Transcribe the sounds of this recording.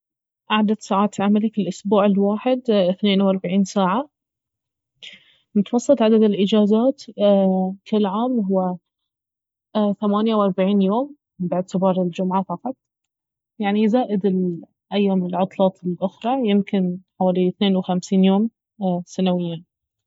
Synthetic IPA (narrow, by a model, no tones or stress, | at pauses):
ʔaʕd̪ad̪saːʕaːt̪ʕamalifilʔʊsbuːʕɪlwaːħɪd̪ɪθneːnwɑɾˤbaʕiːnsaːʕa | mʊt̪wɑsˤːɨt̪ˤʕad̪ad̪ɪlʔɪd͡ʒaːzaːt̪ | kɪlːʕaːmɦʊwːa | θamaːnjawʔɑɾˤbaʕiːnjoːm | bɪʕt̪ɪbɑːɾˤɪld͡ʒʊmʕafɑqɑt̪̚ˤ | jaʕnizaːʔɪd̪ɪl | ʔajːaːmɪlʕʊt̪ˤlɑːt̪ˤɪlʔʊxɾˤɑjɪmkɪnħawaːliθneːnwxamsiːnjoːm | sanawɪjːa